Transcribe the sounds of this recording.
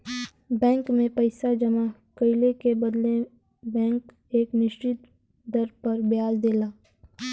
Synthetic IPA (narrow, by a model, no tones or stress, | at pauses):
bɛ̃ːŋkmẽpɐɪsad͡ʒɐmakəɪlekebɐd̪le | bɛ̃ːŋk | eːknɪʃt͡ʃɪt̪ | d̪ɐɾpɐɾbjaːzd̪eːlaː